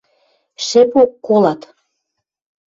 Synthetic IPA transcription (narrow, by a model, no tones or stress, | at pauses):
ʃepokːolɑt̪